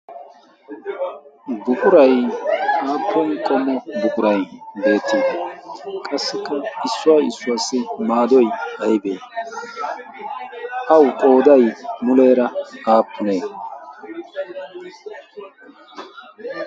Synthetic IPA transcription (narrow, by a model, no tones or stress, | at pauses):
bʊkʼʊɾɐjaːpʰːɔŋkʼɔmːɔbʊkʼʊɾɐjbe̞ːt̪ːiːd̪ɐkʼɐsːɪkːɐɪsːʊaːjɪsːʊwaːsːɪmaːd̪ɔjhɐjbeː | ʔɐwkʼo̞ːd̪ɐjmʊleːɾɐʔaːpːʊneː